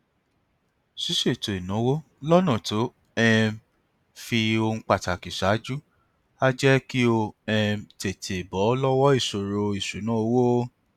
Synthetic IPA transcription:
si˦ʃe˦˨to˨i˨nã˨˦wo˦ | lɔ˦nã˦˨to˨˦ | ɛ˧ | fi˧o˧ŋ̩̃˧k͡pa˨ta˨ki˨ʃa˨˦d͡ʒu˦ | a˦d͡ʒɛ˦ki˦o˧ɛ˧te˨tʰe˨bɔ˨˦lɔ˦wɔ˦i˦˨ʃo˨ɾo˧i˨ʃu˨˦nã˦o˧wo˦

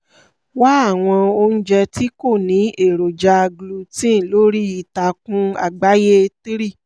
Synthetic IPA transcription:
wa˦a˦˨w̃ɔ̃˧o˧ñ̩˦d͡ʒɛ˧ti˦ko˦˨nĩ˨˦e˦˨ɾo˨d͡ʒa˧ɡlu˧tĩ˦˨lo˦ɾi˦i˧˨ta˧kũ˦a̰˧˨ɡ͡ba˨˦je˦˧ti˦ɾi˦˨

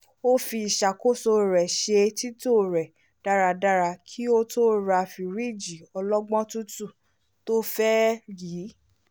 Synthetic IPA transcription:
o˦fi˧i˨ʃa˨ko˦so˧ɾɛ˨ʃe˧ti˦to˦˨ɾɛ˨ | d̥a˦ɾa˧da˦ɾa˧kʰi˦o˦to˦ɾa˧fi˧ɾi˦˨d͡ʒi˨ɔ˧lɔ˦ɡ͡bɔ̃˦tu˦tu˦˨ | to˦fɛ˦jiː˨˦

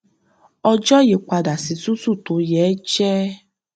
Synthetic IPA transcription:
ɔ˧d͡ʒɔ˦je˨˦k͡pa˧da˨si˨˦su˦su˦˨to˨˦jɛː˨˦t͡ʃɛ˦

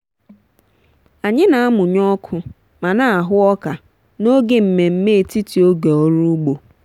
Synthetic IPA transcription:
a˨ɲɪ˦na˨a˦mʊ˨ɲɔ˦kʰʊ˦ | ma˨na˦a˨ɦʊ˦ɔ˦ka˨ | no˦ɡe˨m̩˨me˨m̩˦me˦e˨ti˦ti˨o˦ɡe˨ɔ˦ɾu˦ɡ͡bo˨

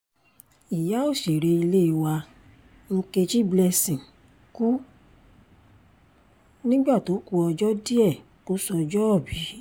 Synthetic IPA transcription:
i˨ja˨˦o˦˨ʃe˨ɾe˧i˧le˦i˧wa˧ | ŋ̩˧ke˧t͡ʃi˦blɛ˧sĩ˨ | ku˦ | nĩ˦ɡ͡ba˦˨to˨˦ku˧ɔ˧d͡ʒɔ˦di˦ɛ˦˨ | ko˦sɔ˧d͡ʒɔ˦ɔ˦˨bi˨˦

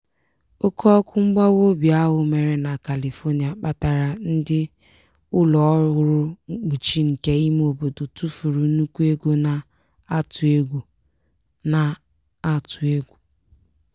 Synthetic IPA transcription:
o˦kʰɔ˦ɔ˦kʊ˦ŋ͡m̩˦ɡ͡ba˦wo˦bi˨a˦ɦʊ˨me˨ɾe˨na˨ka˨li˨fo˦ni˨a˨k͡pa˦ta˨ɾa˨n̩˦dɪ˦ | ʊ˦lɔ˨˦ɣʊ˦ɾʊ˦k͡pu˨t͡ʃi˦ŋ̩˨ke˦i˦m˦o˨bo˨to˨tu˦fu˨ɾu˨nu˦kʷu˦e˦ɡo˦na˨ | a˦tʊ˨e˦ɡʷu˨ | na˨ | a˦tʊ˨e˦ɡʷu˨

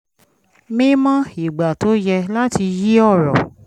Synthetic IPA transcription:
mĩ˦mã˦i˨ɡ͡ba˨to˨˦jɛ˧la˦ti˧ji˦ɔ˦˨ɾɔ˨

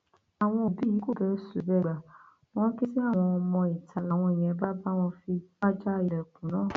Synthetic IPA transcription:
a˨w̃ɔ̃˧o˨bi˦ji˨˦ko˦˨bɛ˧˦su˨bɛ˧˨ɡ͡ba˨ | w̃ɔ̃˦ki˦si˦a˦˨w̃ɔ̃˧mɔ̃˧i˨tʰa˧la˨w̃ɔ̃˧e˨j̃ɛ̃˨˦ba˦ba˦˨w̃ɔ̃˧fi˧ba˦d͡ʒa˦˧˨ɛ˨kũ˨nãː˨˦˨

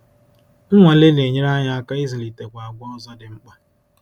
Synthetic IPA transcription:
ŋ̩˦ŋʷa˨le˦ne˨ɲe˦ɾa˦ɲa˦a˦ka˦i˦zi˨li˨te˨kʷa˨a˨ɡ͡bʷʊ˦ɔ˦zɔ˦dɪ˨ŋ͡m̩˦k͡pa˦

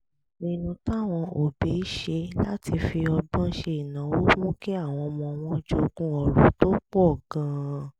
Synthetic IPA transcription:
nĩ˦˧nũ˧ta˦˨w̃ɔ̃˧o˨be˨˦i˦ʃe˧la˦ti˧fi˧ɔ˧bã˦ʃe˧i˨nã˨˦wo˦mũ˦ke˦a˦˨w̃ɔ̃˧mɔ̃˧w̃ɔ̃˦d͡ʒo˦kũ˦ɔ˧˨ɾũ˨˦to˦k͡po˦ɔ˦˨ɡ̥ã˨˦

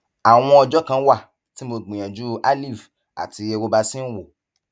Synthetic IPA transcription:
a˨w̃ɔ̃˧ɔ˧d͡ʒɔ˦kã˧˦wa˦˨ | ti˦mo˧ɡ͡bĩ˨j̃ã˨d͡ʒu˦a˦li˦˨f | a̰˨ti˨˧˦e˧wo˧˦ba˧sĩ˦n̩˦wo˦˨

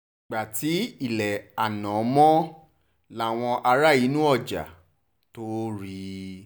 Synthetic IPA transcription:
ɡ͡ba˨ti˨˦i˦˨lɛ˨a˨nã˨˦mɔ̃˦ | la˦˨w̃ɔ̃˧ʔa˧ɾa˦˨i˨˦nũ˦ɔ˦˨d͡ʒa̰˨ | to˦ɾi˧

